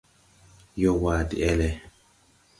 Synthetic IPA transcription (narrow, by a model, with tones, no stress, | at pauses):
jɔ˦waː˨dḭ˨ɛ˦lɛ˨